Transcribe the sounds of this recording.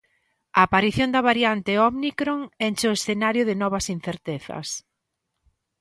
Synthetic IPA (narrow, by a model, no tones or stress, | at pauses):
ɐːpaɾiθjond̪ɐβaɾjant̪ɪɔβnikɾoŋent͡ʃoesθenaɾjʊðɪnɔβ̞ɐsin̟θeɾt̪eθɐ̰s